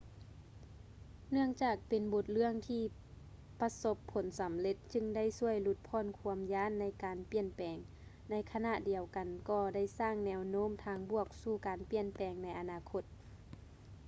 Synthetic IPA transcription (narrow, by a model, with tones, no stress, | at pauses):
nɯ˥˩əŋt͡ɕaː˨˩k̚pe˨nbo˧˦t̪̚lɯ˥˩əŋt̪ʰiː˧ | pa˧so˧˦pʰːo˨˦nsa˨˦mle˧t̪̚t͡ɕɯ˧ŋda˥˩˨jsu˧˥˩əjlu˧t̪̚pʰɔː˧˨nkʰu˧əmjaː˧˥˨nːa˧˥jkaː˨npi˧˨ənpɛː˨ŋ | na˧˥jkʰa˧na˧ʔdi˨˩əwka˨nkɔː˧˩da˥˩jsaː˧˥˩ŋnɛː˧wnoː˧˥˨mt̪ʰaː˧˥ŋbu˧˩ək̚suː˧˩kaː˨npi˧˩ənpɛː˨˩ŋna˧˥jʔa˨˧naː˧˩kʰo˧˥t̪̚